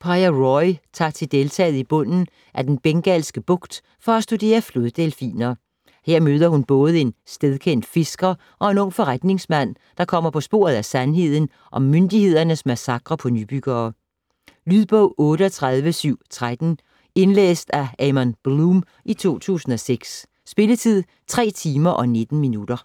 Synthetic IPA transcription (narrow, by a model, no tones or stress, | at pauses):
pʰɑɪɐʁɒɪt͡sʰɑ̈ɡt͡sʰe̝d̥e̝lt͡sʰɛ̰ːð̩ˠib̥ɔ̽n̰n̩ | ʔæd̥enb̥eŋɡ̥ɛlsɡ̥əb̥ɔ̽ɡ̥d̥ | fɒ̽æsd̥ud̥e̝̰ːɐfloðˠd̥elfḭːnɐ | heɐ̰møːð̞ˠɐhunb̥ɔ̽ːð̞̩ˠəe̝nsd̥eðˠkʰen̰d̥fe̝sɡ̥ɐ | ʔɒ̽e̝nɔ̽ŋ̰fɒ̽ʁad̥ne̝ŋsmæn̰ | d̥ɑ̈kʰɒ̽m̰ɐpʰɒ̽sb̥o̝̰ɐð̞̩ˠæsænɦe̝ð̞̰ˠn̩ | ʔɒ̽mːønd̥ihe̝ð̞̰ˠɐnəsmæsɑ̈ɡ̥ʁɐpʰɒ̽nyb̥yɡ̥ɐː | lyðˠb̥ɔʊ̰ɔːɾəɒt͡sʰʁaðˠʋəsyʊ̰t͡sʰʁad̥n̩ | e̝nlḛːsd̥æɛmɒnb̥lum | ʔit͡sʰo̝̰ːt͡sʰṵːsn̩ɒ̽seɡ̥sː | b̥e̝lət͡sʰið̰ˠ | t͡sʰʁɛ̰ːt͡sʰiːmɐʔɒ̽ne̝d̥n̩minud̥ɐ